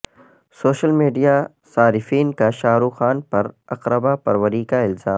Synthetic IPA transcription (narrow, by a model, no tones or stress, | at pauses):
soːʃəlmiːɖija | saːɾɪfiːnkaʃaːɾuːxaːnpɐɾɐqɾəbapɐɾʋəɾiːkaɪlz̥aːm